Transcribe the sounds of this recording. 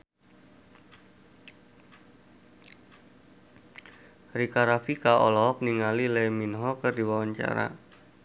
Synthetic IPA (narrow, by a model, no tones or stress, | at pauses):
rikaɾafikaʔɔ̰lɔɦɔk̚niŋalileminɦɔkərdiwawaɲt͡ʃa̰ɾa̰